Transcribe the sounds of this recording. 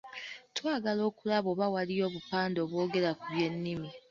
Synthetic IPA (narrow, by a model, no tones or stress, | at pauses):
twaːɡalo̞ːkulaβo̞βawalijo̞ːβupaːndo̞ːβwo̞ːɡe̞lakuβje̞nːimi